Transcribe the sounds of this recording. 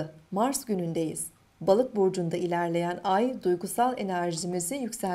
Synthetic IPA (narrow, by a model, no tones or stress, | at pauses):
maɾsɟynynd̪e̞jḭz̥ | balˠɯk̚buɾd͡ʒund̪ailʲæɾlʲe̞jænajd̪ujɡusalˠe̞næɾʒimizijycsæ